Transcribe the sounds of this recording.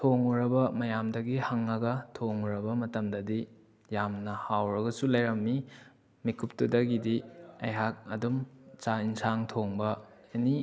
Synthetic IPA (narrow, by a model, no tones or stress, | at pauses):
tʰoŋuɾɐbɐmɐjamdɐɡihɐŋːɐɡɐtʰoŋuɾɐbɐmɐtɐmdɐdi | jamnɐhawɾɐɡɐsulɐjɾɐmːi | mikʰup̚tudɐɡidiɐ̰jɦak̚ɐdumt͡ʃainsaŋtʰoŋbɐeni